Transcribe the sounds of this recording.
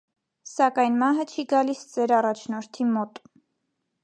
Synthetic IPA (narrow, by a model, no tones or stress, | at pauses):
sɑkɑjnmɑɦət͡ʃʰiɡɑlisd͡zɛɾɑrɑt͡ʃʰnɔɾt̪ʰimɔt̪